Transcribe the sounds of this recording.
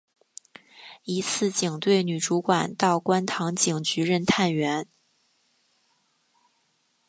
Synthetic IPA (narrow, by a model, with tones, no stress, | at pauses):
i˧˥t͡sʰɹ̩˥˩t͡ɕi˨˩ŋt̪we˥˩ɪny˨˩ʈ͡ʂu˧˥kwa˨˩nt̪ɑ˥˩ʊkwa˥nt̪ʰɑ˧˥ŋt͡ɕi˨˩ŋt͡ɕy˧˥ɻə˥˧nt̪ʰa˥˩nɥɛ˧˥n